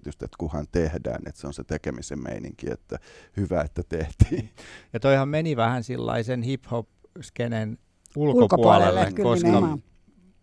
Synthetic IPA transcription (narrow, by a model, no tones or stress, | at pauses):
t̪yst̪et̪kuhɑnt̪ehdæ̰ːnḛt̪seonset̪ekemisemmḛiniŋkḭḛt̪ːæhyʋæet̪ːæt̪eht̪iːjɑt̪oihɑmmeniʋæhænsilːɑ̰isenhiphop | skenen | ulkopuɑlelekoskɑ